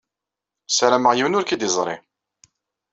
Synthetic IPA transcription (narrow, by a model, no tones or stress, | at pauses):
sæɾæməʁjiwnʊɾkid̪izˤɾˤḭ